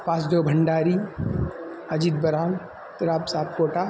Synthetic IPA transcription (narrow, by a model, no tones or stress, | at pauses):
pãːsd̪oːbʱɐɳɖaːɾi | ɐd͡ʒid̪̚bɐɾaːl | t̪ɪɾaːbsaːp̚koːʈa